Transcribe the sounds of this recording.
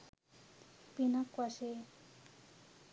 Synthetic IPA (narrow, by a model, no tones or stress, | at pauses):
pinakwaʃe